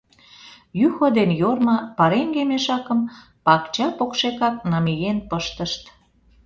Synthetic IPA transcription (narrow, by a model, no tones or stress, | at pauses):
jyxod̪enjormɑpɑɾeŋɡemeʃɑkəm | pɑkt͡ɕɑpokʃekɑk̚nɑmijenpəʃt̪əʃt̪